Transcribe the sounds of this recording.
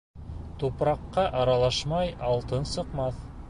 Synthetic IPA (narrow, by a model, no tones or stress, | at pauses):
t̪upɾɑqːɑʔɑɾɑlˠɑʃmɑjɑlˠt̪ɤnsɤ̆qmɑθ